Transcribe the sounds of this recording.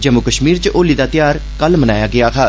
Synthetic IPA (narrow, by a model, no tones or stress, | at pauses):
d͡ʒəmʊkəʃmiːɾt͡ʃəʔoːliːd̪aːt̪ɪjaːɾ | kəlmənaːjaːɡɪaːkʰaː